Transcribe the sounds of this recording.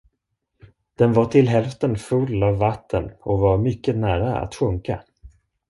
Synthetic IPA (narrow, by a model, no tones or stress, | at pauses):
d̪̥ɛnvaʈʰɪlɦɛlft̪ənfɵlːavːat̪ʰːənɔvaɾmʏkːənæːɾaa̰t̪ɧɵŋka̰